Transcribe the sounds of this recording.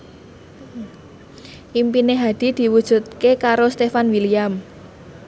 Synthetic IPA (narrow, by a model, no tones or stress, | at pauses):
ʔimpineɦad̪̥i̤d̪̥i̤wud̥ʒ̥ṳt̪̚kekaɾost̪efanwiliam